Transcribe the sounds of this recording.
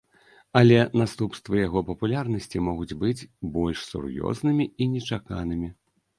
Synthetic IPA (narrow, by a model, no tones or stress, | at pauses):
ɐlʲɛnast̪upst̪vɐjaɣɔpɐpulʲarnɐsʲt͡sʲimɔɣud͡zʲbɨd͡zʲbɔlʲʂsṵrjɔ̰znɨmʲiinʲɛt͡ʂaka̰nɨmʲi